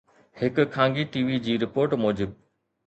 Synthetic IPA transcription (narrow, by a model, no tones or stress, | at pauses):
hɪkkʰːãːŋɡiʈiːʋid͡ʑiːɾɪpoːɾʈmɔːd͡ʑɪb̚